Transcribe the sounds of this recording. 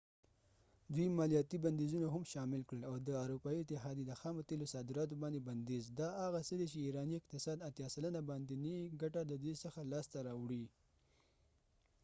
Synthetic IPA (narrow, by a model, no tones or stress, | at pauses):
d̪wimɑlijɑt̪iband̪ezunaɦamʃɑmɪlkɽəlawd̪əaɾupɑiɪt̪ɪɦɑd̪ed̪əxɑmat̪elosɑd̪ɪɾɑt̪̬obɑnd̪eband̪ezd̪ɑaɣasəd̪et͡ʃeiɾɑniɪq̚t̪ɪsɑd̪at̪jɑsalənabɑnd̪eniɡaʈad̪əd̪wisəxalɑst̪aɾɑwɽi